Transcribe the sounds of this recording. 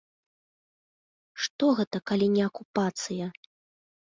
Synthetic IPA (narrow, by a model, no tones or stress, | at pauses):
ʂt̪ɔɣɛt̪ɐkalʲinʲɛɐkupat̪sɨjɐ